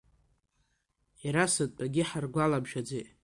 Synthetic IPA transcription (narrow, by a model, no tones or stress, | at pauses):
iɾasɨtʼpʼaɡʲɪħarɡʷalabʃᶣad͡zejtʼ